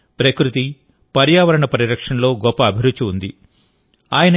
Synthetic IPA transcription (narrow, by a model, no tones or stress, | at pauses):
pɾɐkɾut̪i | pɐɾjaːʋɐɾɐɳɐpɐɾiɾɐkʂɐnlo̞ːɡɔpːɐːbʱiɾut͡ʃːuːnd̪i | aːjɐnɐ